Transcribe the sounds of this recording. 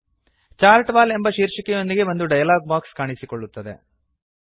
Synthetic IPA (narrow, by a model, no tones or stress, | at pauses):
t͡ʃaːɾʈbaːle̞mbɐʃiːɾʃikɛjond̪iɡe̞bond̪uɖɐjɐlaːɡ̚baːkskaːɳisikoɭːut̪ːɐd̪e̞̰